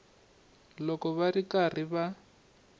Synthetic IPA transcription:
lɔkɔβarikar̤iβa

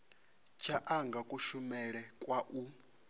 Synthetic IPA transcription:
t͡ʃʰaʔaŋɡakʼuʃumɛɺɛkʼwaʔu

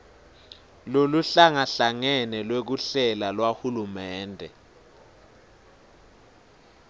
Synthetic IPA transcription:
loluɬaŋaɬaŋɛnɛlwek̬uɬɛlalwahulumɛːndʱɛ

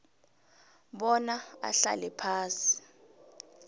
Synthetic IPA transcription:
ɓɔnaa̰ɬa̰lɛpʰaːsi̥

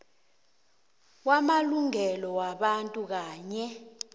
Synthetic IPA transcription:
wamaluŋɛlɔwaɓantʼuk̬aːɲɛ

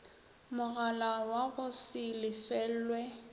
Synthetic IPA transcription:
mʊɣalawaɣʊsɪlɪfɛl̩lwɛ

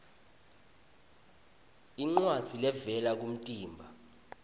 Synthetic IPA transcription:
iŋ͡ǀwad̥z̥ʱilɛvɛlak̬um̩tʼiːmbʱa

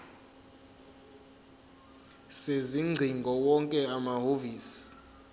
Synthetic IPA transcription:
seziŋ͡ǀʱiŋɡʱɔwɔŋkʼɛamaɦoviːsi̥

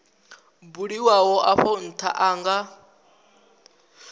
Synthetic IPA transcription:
buɺiwawɔʔaɸɔn̩t̪ʰa̰ʔaːŋɡa

